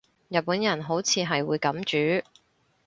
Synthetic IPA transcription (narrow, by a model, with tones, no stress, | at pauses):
jɐ˨t̚puː˨˥njɐ˨˩nɦo˨˧˥wt͡sʰiː˨˧ɦɐ˨jwuː˨˧jkɐ˨˥mt͡ʃyː˨˥